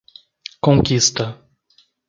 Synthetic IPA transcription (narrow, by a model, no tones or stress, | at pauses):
kõkist̪ɐ